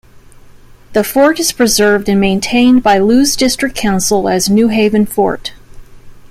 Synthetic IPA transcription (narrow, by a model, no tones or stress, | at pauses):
ðɨfɔɹɾɨz̥pʰɹ̥ɨzɜ˞vdɨ̃nmẽɪ̃ntʰẽɪ̃nbaɪlʉzdɪstɹ̥ɨkʰãʊ̃nsl̩ˠɨznʉɦeɪvɨ̃nfɔ̰ɹt